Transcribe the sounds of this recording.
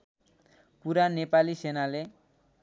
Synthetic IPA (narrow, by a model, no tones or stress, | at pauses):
puɾanepalisenale